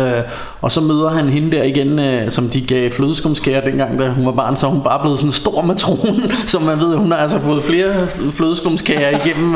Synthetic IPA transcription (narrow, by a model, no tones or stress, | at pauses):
ɒ̽sɒ̽møːð̞ˠɐɦænɦe̝nəd̥ɛɐ̰iɡ̥ensɒ̽md̥iɡ̥ɛɪfløːðˠsɡ̥omskʰæɐd̥enɡ̥ɑ̈ŋ̰d̥æɦunʋɑ̈b̥ɑ̈ːnsɒhunb̥ɑ̈ːb̥le̝ːð̞̩ˠsɒ̽nsd̥o̝ɐ̰mæt͡sʰʁoːnnsɒ̽mːænʋe̝ð̞̰ˠhunhɑ̈ælsɐfɔ̽ːð̩ˠfle̝ːɐfløð̞ˠsɡ̥omskʰæɐiɡ̥em̰m̩